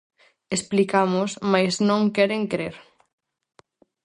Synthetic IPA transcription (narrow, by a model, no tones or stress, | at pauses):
esplikamʊsmajsnõŋkɛɾeŋkɾeɾ